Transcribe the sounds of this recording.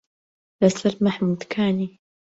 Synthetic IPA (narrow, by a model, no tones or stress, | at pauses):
lɐsɐɾmaħmuːd̪kʰaːniː